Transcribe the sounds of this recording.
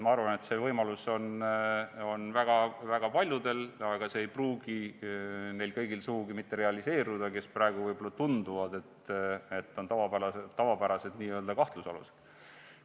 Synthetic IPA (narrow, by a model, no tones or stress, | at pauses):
mɑɑrvɑne̞t̪se̞vɤjmɑluso̞n | o̞nvæɡ̥ɑvæɡ̥ɑpɑlʲjud̪e̞lɑɡ̥ɑse̞ːjpruːɡ̥i | ne̞jlkɤ̞jɡ̥ilsuɡuɡimit̪ːe̞ɾe̞ɑlise̞ːɾud̪̥ɑke̞sprɑeɡ̥uvɤjbolːɑt̪und̪uvɑd̪e̞t̪e̞t̪ːˑo̞nt̪ɑvɑæɑt̪ːɑvɑbæɾɑse̞d̪̥niːøld̪ɑkɑht̪lusɑ̰lṵse̥d̪̥